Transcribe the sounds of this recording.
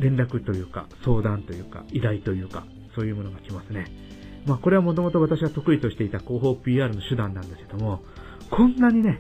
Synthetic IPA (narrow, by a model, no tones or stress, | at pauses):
ɾẽ̞nɾakɯ̟t̪o̞jɯ̟ːka̰so̞ːd̪ãnt̪o̞jɯ̟ːka̰iɾait̪o̞jɯ̟ːka̰ | so̞ːjɯ̟ːmo̞no̞ɡakʲimasɨne̞ | maːko̞ɾe̞βamo̞t̪o̞mo̞t̪o̞βat̪aɕiɡat̪o̞kɯ̟it̪o̞ɕi̥t̪e̞it̪ako̞ːɦo̞ːpʲiːaːɾɯ̟no̞ɕɨd̪ãnːãnd̪eske̞d̪o̞mo̞ | kʰõ̞nːaɲ̟ine̞